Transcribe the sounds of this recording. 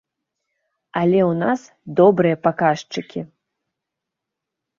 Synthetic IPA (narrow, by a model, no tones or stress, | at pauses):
alʲɛwnas | d̪ɔbɾɨjɐpakaʂt͡ʂɨkʲʰi